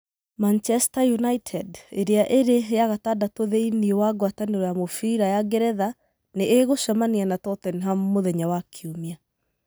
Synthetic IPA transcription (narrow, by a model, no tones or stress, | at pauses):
mant͡ʃɛstajunaitʰɛdeɾeaʔeɾejaɣatadatoðeiniwaɡwataneɾɔjamofiɾajaɡɛɾɛða | neʔeɣoʃamanianatɔtɛniɦammoðɛɲawakʰiumia